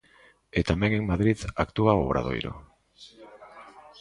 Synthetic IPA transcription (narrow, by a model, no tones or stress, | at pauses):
e̞t̪ameŋɡiŋmaðɾitakt̪uaoβɾʔa̰ðo̞̰jɾo̰